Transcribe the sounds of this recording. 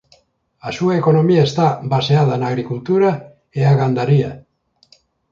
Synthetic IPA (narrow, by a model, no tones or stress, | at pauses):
asuaeko̞no̞miaest̪abase̞aðanaɣ̞ɾikult̪uɾa | eaɣand̪aɾia